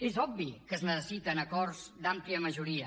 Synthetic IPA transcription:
ezɔbbikəznəsəsit̪ənəkɔrzd̪ampliəməʒuɾiə

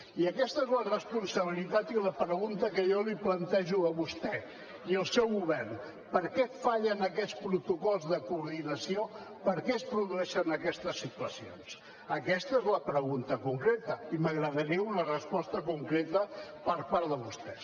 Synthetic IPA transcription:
iəkɛst̪əezlərəspunsəβ̞ilit̪at̪iləpɾəɣunt̪əkəjɔliplənt̪ɛʒuəβust̪ɛ | iəlˠsɛwɣuβɛrn | pəɾkɛt̪faʎənəkɛspɾut̪ukɔlˠzðəkuːɾðinəsio | pəɾkɛəspɾuðuɛʃənəkɛst̪əsːit̪uəsio̰ns | əkɛst̪əezləpɾəɣunt̪əkuŋkɾet̪əiməɣɾəðəɾiəunərəspɔst̪əkuŋkɾet̪əpəɾpaɾðəβust̪ɛs

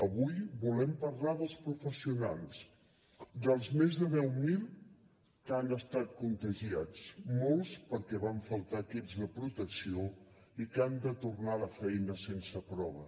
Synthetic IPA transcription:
əβujbulɛmpəɾlaðəlˠspɾufəsiuna̰lˠs | d̪əlˠzmezðəðɛwmilˠ | kanəst̪at̪̚kunt̪əʒiat͡smolˠspəɾkɛβaɱfəlˠt̪akizðəpɾut̪əksioikand̪ət̪urnaləfɛjnəsensəpɾɔβ̞ə

